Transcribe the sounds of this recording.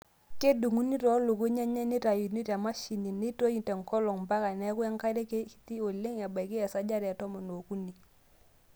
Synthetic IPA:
ke˦du˨ŋu˦ni˦tɔ˦lu˨ku˦ɲe˦ɲɛ˦ni˦ta˨ju˨ni˦ta˨ma˦ʃi˨ni˨ni˦to˦ji˨tɛ˨ŋkɔ˦lɔ˨ŋmba˦ka˨nɛ˦ku˦ja˦ŋka˦ɾe˦ke˦ki̥˨ti˦o˨le˦ŋa˨ba˨ki˦jɛ˨sa˦d͡ʒa˦ɾa˨tɔ˦mɔ˨no˨ku˦ni˨

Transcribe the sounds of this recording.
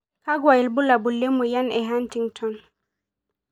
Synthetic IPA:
kaɡwa˨i˨lbu˦la˨bu˨lːe˦muja˦nɛɦantiŋtʰɔn

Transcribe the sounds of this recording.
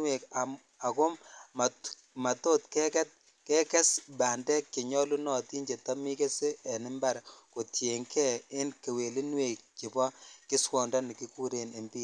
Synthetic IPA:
we˨ka˨ | a˨kʊ˦ma˨ | ma˨to˦tkɛ˦kɛ˦t̚ | kɛ˦kɛ˦sbaː˨ndɛ˦kːɪ˨ɲɔ˦lu˦nɔ˨ti˦nd͡ʒe˨ta˦mi˦ke˦se˦ɛ˨nɪ˦mba˦ɾko˨tje˨ŋkʰɛ˦ɪ˦nke˨we˨li˦nwe˨k̚t͡ʃɪ˨pɔ˦kɪ˦swɔ˨nda˦nɪ˨ki˦ku˦ɾe˨ne˨mbi˦

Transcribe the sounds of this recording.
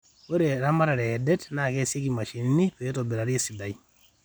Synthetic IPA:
we˦ɾe˨ɾa˦ma˦ɾa˨ɾe˨je˨de˦tna˨ke˦se˦ki˨ma˨ʃi˨ni˦ni˦po˨je˦tobi˨ɾa˨ɾi˦e˦si˨da˨j

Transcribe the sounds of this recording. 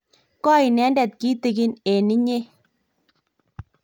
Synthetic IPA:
kɔ˦i˨nɛ˨˦ndɛ˨t̪̚ki˦t̪e˨ɡɪ˦ne˨ni˦ɲe˦

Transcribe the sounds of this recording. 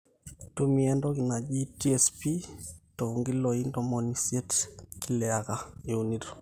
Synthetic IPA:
tu˦miɛ˦ndɔ˦ki˨na˨d͡ʒi˦ti˦ɛspi˦to˨ŋɡi˦lɔi˦ndɔmɔnisje˦tki˦lɛ˨aɣa˨e˨uniɾo̥˨

